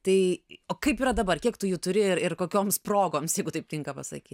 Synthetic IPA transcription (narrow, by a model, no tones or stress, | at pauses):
t̪ɐɪoːkɐɪpiːɾɐd̪ɐbɐrkʲiɛkt̪ʊjuːt̪ʊɾʲɪɪɾɪrkoːkʲoːmsproːɡoːmsjɛɪɡʊt̪ɐɪp̚ʲtʲɪŋkɐpɐsɐ̰kʲiːt̪ʲ